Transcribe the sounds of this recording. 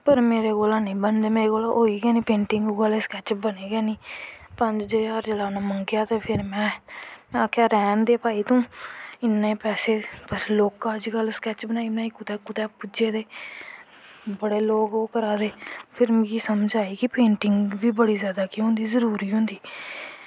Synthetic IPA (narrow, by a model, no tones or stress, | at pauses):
pəɾmeːɾeːkoːlãːnəĩːbənd̪eːmeːɾeːɡoːlãʔoːiːɡɛːnĩːpẽːɳʈɪŋɡuɡəleːskɛːt͡ʃbəneːɡɛːniːpəɲd͡ʒd͡ʒeːəɾd͡ʒəlaːnaːməŋɡjaːt̪eːpʰɪɾmɛ̃ːaːkʰaːɾɛːnd̪eːpaːiːt̪õːɪnːẽːpɛːseːpəɾloːkãəd͡ʒɡəlskɛːt͡ʃbənaːiːmɛ̃ːɪkːʊt̪ɛːkʊt̪ɛːpʊd͡ʒeːd̪eː | bəɽeːloːkoːkəɾaːd̪eːpʰɪɾmkiːsəmd͡ʒaːiːkɪpẽːɳʈɪŋɡʋiːbəɽiːzjaːd̪aːkiːɦʊ̃nd̪iːzəɾuːɾiːɦʊ̃ːnd̪iː